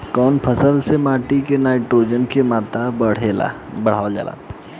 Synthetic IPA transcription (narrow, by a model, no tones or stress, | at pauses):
kɔːnpʰəsəlsemaːʈikenaːɪʈɾoːd͡ʒənkemaːt̪abəɽ̤ela̰ | bəɽ̤aːd͡ʒa̰ːla̰ː